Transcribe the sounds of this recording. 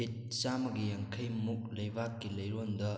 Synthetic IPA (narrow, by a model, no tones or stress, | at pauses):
it̚t͡ʃamɐɡijaŋkʰɐjmuk̚lɐjbakːilɐjɾondɐ